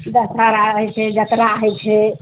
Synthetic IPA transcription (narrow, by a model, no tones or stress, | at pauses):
d͡ʒət̪ɾaɾaəɦɛt͡ʃʰɛd͡ʒət̪ɾaɦɛt͡ʃʰɛ